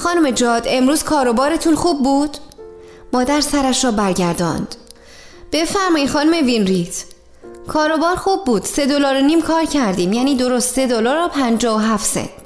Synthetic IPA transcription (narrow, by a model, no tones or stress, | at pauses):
xɒːnume̞d͡ʒɒːd̪e̞mɾuːz̥kʰɒːɾo̞bɒːɾe̞t̪ʰuːnxuːbːuːd̪̥ | mɒːd̪æɾsæɾæʃɾɒːbæɾɟæɾd̪ɒ̰ːnd̪̥ | b̥e̞fæɾmɒːixɒːnume̞vinɾit̪ʰ | kʰɒːɾo̞bɒːɾxuːbːuːd̪̥se̞d̪o̞lɒːɾoniːmkʰɒːɾcʰæɾd̪iːmjæːniːd̪o̞ɾost̪se̞d̪olɒːɾpʰænd͡ʒɒːoɦæft̪sḛnd̪̥